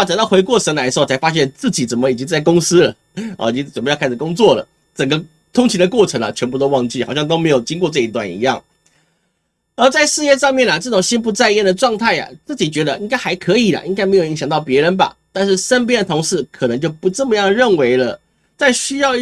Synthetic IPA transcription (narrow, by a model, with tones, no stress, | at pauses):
t͡ɕa˨˩t̪ɑ˥˩ʊxwe˧˥ɪkwɔ˥˩ʂə˧˥nla˧˥ʂ̩˧˥˧t͡sʰa˧˥ɪfa˥ɕ̬jɛ˥˧nt͡sɹ̩˥˩t͡ɕi˨˩t͡sə˨˩nmə˦i˨˩t͡ɕi˥ŋt͡sa˥˩ɪkʊ˥ŋsɹ̩˥lə˩ | ɔ̰˧˩i˨˩t͡ɕi˥ŋt͡sə˨˩mə˦jkʰa˥˩ʂ̩˨˩kʊ˥ŋt͡swɔ˥˩lə̰˩ | t͡sə˨˩ŋɡə˦ | t̪ʰʊ˥ŋt͡ɕʰi˧˥d̪ə˧kwɔ˥˩ʈ͡ʂʰə˧˥ŋlɐ̰˨t͡ɕʰɥɛ˧˥npu˥˩o˥ʊwɑ˥˧ŋt͡ɕi˥˩xɑ˨ʊɕjɑ˥˧ŋt̪o˥ʊme˧˥ɪjʊt͡ɕi˥ŋkwɔ˥˧ʈ͡ʂɤ˥˧i˧˥t̪̬wa̰˥˩nḭ˧˥jɑ˥˩ŋ | ə˞˧˥t͡sa˥˧ɪʂɻ̩˥˧jɛ˥˧ʂɑ˥˧ŋmjɛ˥˩nɐ˩ʈ͡ʂɤ˥˩ʈ͡ʂʊ˨˩ŋɕi˥np̬u˧˥˧t͡sa˥˧ɪjɛ˥˩nd̪ə˩ʈ͡ʂwɑ˥˧ŋt̪ʰa˥˩ɪa̰˩t͡sɹ̩˥˩t͡ɕi˨˩t͡ɕɥɛ˧˥d̪ə˧ʔi˥ŋka˥ɪxa˧˥ɪkʰɤ˧˥i˨˩lə̰˩ʔi˥ŋka˥ɪme˧˥ɪjo˨˩i˧˥ɕɑ˨˩ŋt̪ɑ˥˩ʊpjɛ˧˥ɻə˧˥nba̰˨t̪a˥˧nʂɻ̩˥˩ʂə˥np̬jɛ˥nd̪ə˨t̪ʰʊ˧˥ŋʂɻ̩˥˩kʰɤ˨˩nə˧˥ŋt͡ɕjo˥˩ʊpu˧˥ʈ͡ʂə˥˩mə˧jɑ˥˧ŋɻə˥˩nwe˧˥ɪlə˧˨ | t͡sa˥˩ɪɕy˥jɑ˥˧ʊ